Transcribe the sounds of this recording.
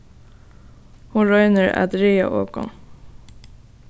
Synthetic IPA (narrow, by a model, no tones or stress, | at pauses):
huːɹœʏnəɹɑ̰d̪ɾiːɑ̰ʔoːkɔ̰n